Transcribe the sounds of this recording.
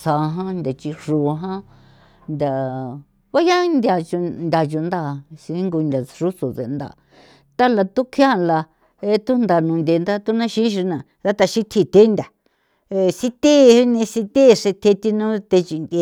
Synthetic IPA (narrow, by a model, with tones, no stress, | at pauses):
sa˨˧ɦã˦nd̪ʲa˨t͡ʃi˧ʂu˨ɦã˦ | nd̪ʲa˨ | βa˦ja˦nd̪ʲa˧t͡ʃu˧nd̪ʲa˨˧t͡ʃu˨˧nd̪a˦˧˨si˧˦ŋɡu˧nd̪ʲa˨ʂu˦so˨t͡se˨˧nd̪a̰˧˨ | t̪a˦la˧t̪u˦kʰjã˦˨˧la˧ | e˧˦t̪u˦nd̪a˧˨nũː˨˧nd̪ʲe˨˧nd̪a˦t̪u˦nã˦ʃĩ˦ʃ̬i˧nã˨ | ða˦t̪a˧ʃi˦t̪ʰi˧t̪e˦nd̪ʲa˨˧ | si˧t̪e˦nẽ˧si˧t̪e˦˧ʂe˧t̪ʰe˧t̪i˦nũ˦t̪e˧t͡ʃi˧nd̪ʲe˧